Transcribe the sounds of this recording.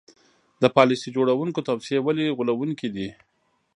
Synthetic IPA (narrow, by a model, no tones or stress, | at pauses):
d̪əpɑlɪsid͡ʒoɽawuŋkot̪awsijewaliɣulawuŋkid̪i